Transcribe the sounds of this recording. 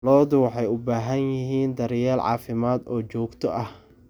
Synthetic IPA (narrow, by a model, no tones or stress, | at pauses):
lɔːðʊwɑħɑjʊbaːɦɐnjɪɦiːnd̪ɐɾjaːlʕɑ̰ːfɪmaːd̪ɔːt͡ʃɔːɡt̪ʰɔʔɐh